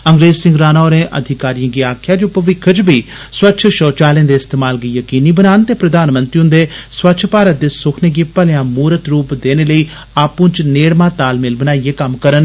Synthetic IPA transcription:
əŋɡɾeːzsɪ̃ŋɡɾaːnaːoɾẽːʔə̰d̪ʱɪkaːɾijãːɡiːaːkʰjaːd͡ʒoːpəʋɪkʰːət͡ʃbʱiː | swətːʃʰʃɔːt͡ʃaːlẽːd̪eːɪst̪eːmaːlɡiːjəkiːniːbənaːnt̪eːpɾəd̪aːnmə̃nt̪ɾiʊ̃nd̪eːswətːʃʰpaːɾət̪̚d̪eːsʊkʰneːɡeːpəljãːmuːɾət̪ɾuːpd̪eːneːləiː | aːpũːt͡ʃneːɽmãːt̪aːlmelbənaːieːkəmkəɾən

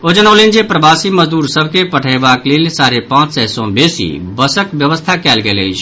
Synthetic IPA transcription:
od͡ʒənəlend͡ʒepɾəbaːsiməzd̪uːɾsəbʱkepəʈʰəʋaːkleːlsaːɾepãːt͡ʃsɛsɔ̃beːsḭ | bəsəkʋjəʋəst̪ʰakɛːlɡɛːlḛit͡ʃʰ

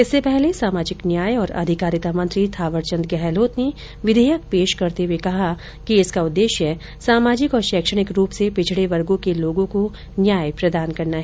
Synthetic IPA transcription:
ɪsːepɛɦlesaːmaːd͡ʒɪknjaːjɔːɾɐ̰d̪ʱɪkaːɾɪt̪amɐ̃nt̪ɾit̪ʰaːʋəɾt͡ʃə̃nd̪̚ɡɛːɦloːt̪ne | ʋɪd̪ʱəjək̚peːʃkɐɾt̪eɦuwekɐɦa | kiɪskaʊd̪ːeːʃjə | saːmaːd͡ʒɪkɔːɾʃɛːkʃəɽ̃ɪkɾuːpsepɪt͡ʃʰɪɽeʋɐɾɡõkeloːɡõko | njaːjpɾɐd̪aːnkɐɾnaɦɛ

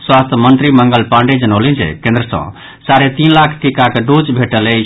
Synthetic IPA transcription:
swast̪ʰmənt̪ɾiməŋɡəlpãɳɖed͡ʒənəlind͡ʒɛ̰kẽnd̪ɾəsə̰̃ | saɾet̪inlakʰʈikakeɖot͡ʃbʱeʈələ

